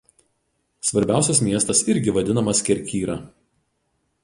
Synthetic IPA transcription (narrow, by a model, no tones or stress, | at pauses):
sʋɐɾʲbʲæˑʊsʲɛsmʲiɛst̪ɐsɪɾʲɡʲɪʋɐd̪ʲɪnɐmɐsʲkʲɛɾʲkʲiːɾɐ